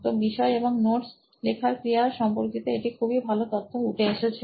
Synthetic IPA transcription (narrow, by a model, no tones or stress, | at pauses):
t̪obiʃɔeeboŋnoɾs | lekʰaɾkɾiaɾʃɔmpoɾkit̪oeʈikʰubibʱalot̪ot̪ʰːouʈʰeeʃet͡ɕʰe